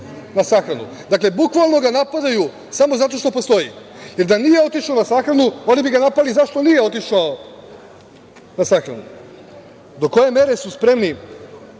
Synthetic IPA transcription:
nasaxɾanṵ | d̪akle̞bukʋalˠno̞ɡanapad̪aju | samo̞zat̪o̞ʃt̪o̞po̞st̪o̞ḭje̞ɾd̪anije̞o̞t̪iʃaonasaxɾanuo̞nibiɡanapalizaʃt̪o̞nijeo̞t̪iʃao | nasaxɾa̰nṵ | d̪o̞ko̞je̞me̞ɾe̞suspɾe̞mni

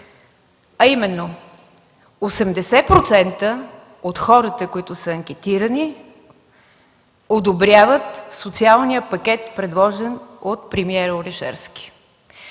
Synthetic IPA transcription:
ɐimɛnːo | osɛmd̪ɛsɛpɾot̪sɛnt̪ə | ot̪xɔɾət̪əkoit̪ʊsəɐŋk̟ʲɛt̪iɾəni | od̪obɾʲjavət̪sot̪sialˠnijəpɐkʲɛt̪pɾɛd̪lˠɔʒɛnot̪̚pɾɛmiɛɾoɾɛʃɛ̰ɾskʲi̥

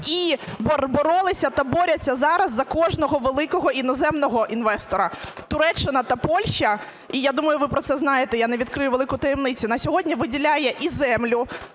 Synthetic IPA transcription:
ibɔrbɔɾɔlˠɪsʲɐt̪ɐbɔɾʲɐt͡sʲːɐzɑɾɐzːɐkɔʒnɔɦɔʋelˠɪkɔɦɔinɔzɛmnɔɦɔʔin̪ʋɛst̪ɔɾɐt̪ʊɾɛt͡ʃːɪnɐt̪ɐpɔlʲʃt͡ʃɐ | ijad̪umɐjʊʋɪpɾɔt̪sɛznɑjet̪ɛjaneʋʲid̪̚kɾɪjʊʋe̞lˠɪkʊt̪ɐjɛmnɪt͡sʲʊnɐsʲɔɦɔdʲnʲiʋɪdʲilʲajɛʔizɛmlʲʊ

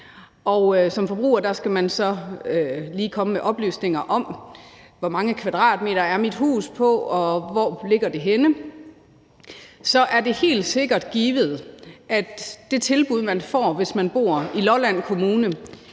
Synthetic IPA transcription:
ʔɒ̽ʊsɒ̽mfɒ̽b̥ʁṵːɐd̥ɑ̈sɡ̥æmænsɒ̽øliːkʰɒ̽məmeʔɒ̽b̥ly̰ːsne̝ŋɐʔɒ̽m | ʋɒmɑ̈ŋəkʰʋæd̥ʁɑ̰̈ːd̥̚me̝̰ːdɐæɐmid̥ɦṵːspʰɒ̽ɒ̽ʋɒ̰ːle̝ɡ̥ɐd̥e̝ɦenə | sɒ̽ʔæɐde̝he̝̰ːld̥se̝ɡ̥ɐd̥ɡ̥iːʋð̞̩ˠʔæd̥d̥e̝t͡sʰe̝lb̥uð̞ˠmænfɒ̰ːʋe̝smænb̥o̝̰ɐ̰ilɒlæn̰kʰo̝muːnə

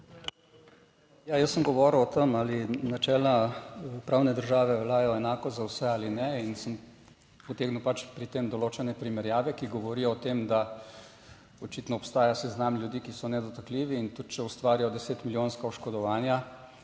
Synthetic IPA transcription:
jajəsːəmɡɔʋɔɾwɔt̪əmalinat͡ʃɛːlapɾawnɛd̪əɾʒaːʋɛlaːjɔɛnaːkɔzzawsɛaːlinɛinsəm | pɔt̪eːɡnupat͡ʃpɾit̪eːmd̪ɔloːt͡ʃɛnɛpɾimɛɾjaːʋɛkiɡɔʋɔɾijɔːt̪eːmd̪a | ɔt͡ʃiːt̪nɔːpst̪aːjasɛznamlʲjud̪iːkisɔnɛd̪ɔt̪akliʋiːnt̪ut̪̚t͡ʃɛust̪ʋaːɾijɔd̪ɛseːt̪miljoːnskaɔʃkɔd̪ɔʋaːnja

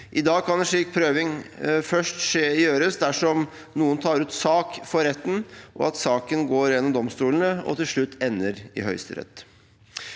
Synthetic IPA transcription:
ʔɪd̪ɑːɡ̚kʰɑnɛʂɭiːk̚pʰɾøːʋɪŋfœʂʈʂeːjøːɾəsd̪æʂɔm | nuːənt̪ʰɑːɾʉːt̪sɑːkfɔɾɛt̪ːnʔɔ̰ɑt̪sɑːkənɡoːɾjɛnːɔmd̪ɔmst̪uːlən̩əɔ̰t̪ɪlʂɭʉt̪ːɛnːəɾɪ̰ɦœʏst̪ə̰ɾɛ̰t̪ː

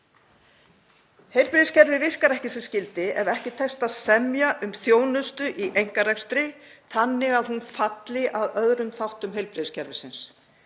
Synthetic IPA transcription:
hejlpɾɪðscɛɾvɪvɪr̥kaɾɛhcɪsɛmscɪlt̪ɪɛvɛhcɪt̪ʰɛst̪asɛmjaʔʏmθjoːwnʏst̪ʏʔiʔejŋ̥kaɾɛkst̪ɾɪ | θanːɪɣaðhunfat̪lɪʔaðœðɾʏmθawht̪ʏmhejlpɾɪðscʰɛɾvɪsɪns

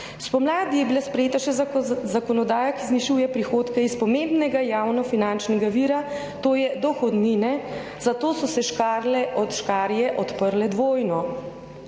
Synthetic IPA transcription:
spɔmlaːd̪ijɛbilaspɾɛjeːt̪aʃɛzakɔnɔd̪aːjakizniʃujɛpɾixoːt̪kaispɔmembnɛɡajawnɔfinant͡ʃnɛɡaʋiːɾa | t̪oːjɛd̪ɔxɔd̪niːnɛ | zat̪oːsɔsɛʃkaɾlɛʔɔt̪ʃkaːɾjɛʔɔt̪pəɾlɛd̪ʋoːjnɔ

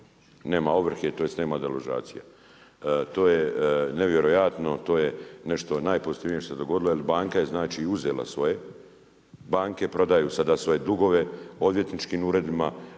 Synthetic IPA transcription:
ne̞ːmaoʋɾ̩r̩xet̪oːje̞sneːmad̪aloʒa̰ːt̪sija̰ | t̪o̞ːjeneʋje̞ɾojat̪no̞t̪o̞ːjene̞ʃt̪o̞naːjpo̞zit̪iʋnijeʃt̪osed̪o̞ɡo̞d̪ilojelibaːŋkaje̞znaːt͡ʃiuze̞la̰sʋo̞je̞ | baːŋke̞pɾo̞d̪ajusad̪asʋo̞je̞d̪uɡo̞ʋe̞o̞d̪ʋje̞t̪nit͡ʃkiːmuːɾe̞d̪ima

